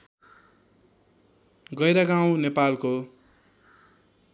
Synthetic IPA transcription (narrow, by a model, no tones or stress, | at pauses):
ɡʌjɾaɡaw̃nepalko